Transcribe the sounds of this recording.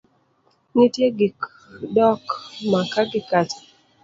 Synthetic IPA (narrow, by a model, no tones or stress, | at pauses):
nitjeɡik | dɔkmakaɡɪkat